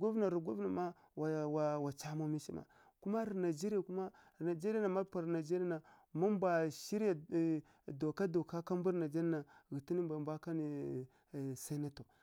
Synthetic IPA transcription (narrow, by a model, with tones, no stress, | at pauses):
ɡu˦vna˨ɾu˨ɡu˦vna˨ma˦ | wa˨wa˨wa˨t͡ʃa˦mo˦mi˦ʃi˦ma̰˨ | ku˦ma˦ɾi˨na˨d͡ʒe˦ɾi˦a˨ku˦ma˦˨ | na˨d͡ʒe˦ɾi˦a˦na˨ma˦pa˨ɾna˨d͡ʒe˦ɾi˦a˦na˨ma˦mbʷa˨ʃi˦ɾja˨ | do˨ka˦do˨ka˦ka˦m˦bu˦ɾna˨d͡ʒe˦ɾa˦na˨ɣi˨ti˦ni˦mbʷa˨mbʷa˦ka˦ni˨ | sa˦na˦to˨